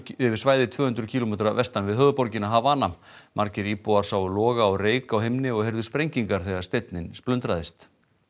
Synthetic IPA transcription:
ʏvɪ̥svaːjðɪt̪ʰvœːhʏnɾʏcʰilɔmɛːt̪ɾavɛst̪anvɪðɦœɣðpɔɾcɪnaɦavaːna | mʔaɾcɪɾiːpɔaɾ̥sawlɔːɣaɔreːjkawhemnɪɔɣheɾðʏspɾejɲciŋkaɾ̥θɛːɣaɾ̥st̪ejt̪nɪnsplœnt̪ɾaðɪst̪

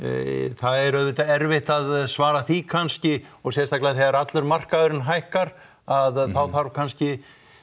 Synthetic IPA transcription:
θaðɛɾœðvɪt̪aɛɾvɪht̪aðsvaːɾaθikʰanscɪɔɣsjɛst̪aklaaθɛɣaɾat̪lʏɾmar̥kaðʏɾɪnɦajhkaɾ | aðθawθaɾvkʰanscɪ

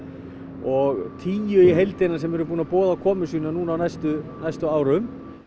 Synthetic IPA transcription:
ɔɣt̪ʰiːjʏiɦejlt̪enasɛmɛɾʏp̬uːnapɔːðakʰɔːmʏsiːnanuːnawnajst̪ʏnajst̪ʏaːwɾʏm

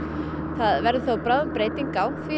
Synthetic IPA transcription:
θaðvɛɾðɪθowpɾaːðʏmpɾeːjt̪iŋkawfi

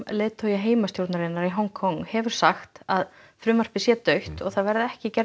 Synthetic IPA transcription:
leːðt̪ʰœːjaɦeːjmast̪jowɾt̪naɾɪnːaɾiɦɔwŋkʰɔŋhɛvʏɾ̥saxt̪að | fɾʏːmar̥pɪsjɛt̪œɥht̪ɔ̰ɣθaðvɛɾðɪɛhcɪcɛɾ

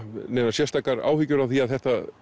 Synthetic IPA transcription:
nɛːnasjɛst̪ʰaːkaɾa̰ːwhicʏɾavθiaðθɛht̪a

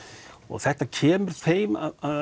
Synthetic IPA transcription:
ɔ̰ɣθɛht̪acʰɛːmʏɾ̥θeːjma̰ða

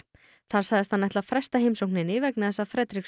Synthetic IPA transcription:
θaɾ̥saɣðɪst̪anːajht̪lafɾɛ̥st̪ahejmsowhknɪnɪvɛknɪθɛsːafɾɛːt̪ɾiks

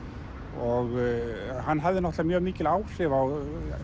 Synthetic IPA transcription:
ɔɣ | hanːɦavðɪnɔht̪lamjœːɣmiːcɪlaːwsɪvaw

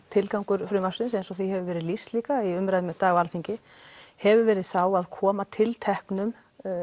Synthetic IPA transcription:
t̪ʰɪlkawŋkʏɾ̥fɾʏːmasɪns̬ejnsɔθiɦɛvʏvɛːɾɪðlist̪liːkaiʏmɾaðɪmɛt̪aːɣalθiɲcɪ | hɛvʏvɛːɾɪðθaːwaðkʰɔːmat̪ʰɪlt̪ʰɛhknʏm

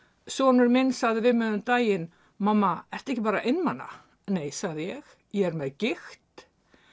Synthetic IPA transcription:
sɔːnʏɾmɪnsaɣðɪvɪðmɛðʏmt̪aːjɪn | mamːaɛr̥t̪aɛhcɪpaːɾaʔɪnːmanːa̰ | neːjsaɣðɪjɛɣ | jɛɛɾmɛðcɪxt̪

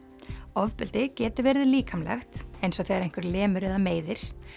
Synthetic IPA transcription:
ɔvpʏlt̪ɪcɛːt̪ʏɾvɛːɾðɪliːkʰamlɛ̰xt̪ejnsɔθejɣaɾejŋ̥kvɪɾlɛːmʏɾɛðameːjðɪɾ̥

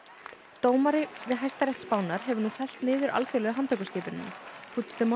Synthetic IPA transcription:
t̪oːwmaɾɪvɪðɦajst̪aɾjɛht̪spaːwnaɾ̥ɦɛvʏɾnufɛl̥t̪nɪːðʏɾʔa̰lfjœlœːɣʏɦant̪ʰœkʏscɪːpɪnːʏ̰mfut̪st̪ɪm

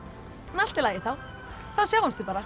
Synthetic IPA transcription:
nal̥t̪ɪlaːjɪθaw | θawsɛɣʏmst̪ipaːɾa

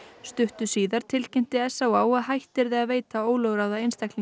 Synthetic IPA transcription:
st̪ʏht̪ʏsiːðaɾ̥t̪ʰɪlcɛm̥t̪ɪɛsːawaːwaðhajht̪ɛɾðɛɣaðveːjt̪aoːwlœɣɾawðaejnst̪akli

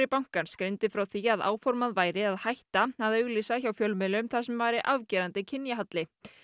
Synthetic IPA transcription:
ɾɪpawŋ̥kanskɾent̪ɪfɾawθiaðʔa̰ːwfɔɾmaðvaːjɾɪaðhajht̪aaðʏɣliːsaçawfjœlmɪlʏʏmθasɛmvaːjɾɪʔavcɛːɾant̪ɪcʰɪnjaɦat̪lɪ

